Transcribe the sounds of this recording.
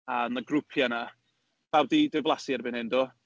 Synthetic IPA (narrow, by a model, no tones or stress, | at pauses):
anəɡrʊpʰjana | vɛwdidɪvlˠasɪrbɪnhɪndɔ